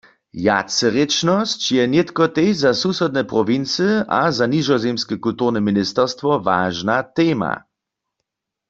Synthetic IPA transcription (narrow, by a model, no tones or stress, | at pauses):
ja̰t͡səʁet͡ʃnɔst͡ʃjɛnjet̪kɔt̪ejzasusɛd̪̚nɛpʁɔʋint͡səazanizɔzemskɛkult̪uʁnɛminist̪ɛʁst̪ʋɔva̰ːʒnat̪eːma̰